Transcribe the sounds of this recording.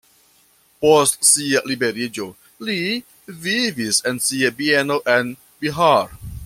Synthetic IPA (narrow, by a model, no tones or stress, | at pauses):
postsialibeɾid͡ʒo | li | vivisensiabienoʔen | biɦaɾ